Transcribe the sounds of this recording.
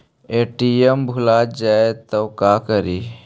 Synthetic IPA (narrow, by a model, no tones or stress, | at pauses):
eʈiembʱʊlaːd͡ʒaet̪ɔwkaːkəɾiː